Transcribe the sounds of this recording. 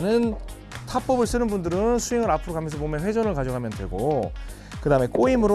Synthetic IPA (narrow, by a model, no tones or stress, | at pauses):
nɯn | tʰap͈ʌbɯɭs͈ɯnɯnbundɯɾɯnsʰueŋɯɾapʰɯɾokamjʌnsʰʌmomjʌnɸwe̞d͡ʑʌnɯɭkad͡ʑoɡɦamjʌndwe̞̰ɡo | kɯdaɯmek͈oimɯɾo